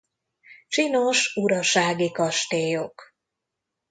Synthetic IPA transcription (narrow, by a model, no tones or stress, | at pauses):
t͡ʃinoʃuɾɒʃaːɡikɒʃt̪eːjok